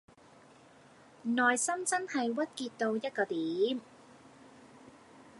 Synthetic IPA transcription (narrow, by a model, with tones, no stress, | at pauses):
nɔː˨jsɐ˥mt͡sɐ˥nhɐ˨jwɐ˥t̚kiː˧t̪̚t̪o˧wjɐ˥t̚kɔː˧t̪iː˨˦m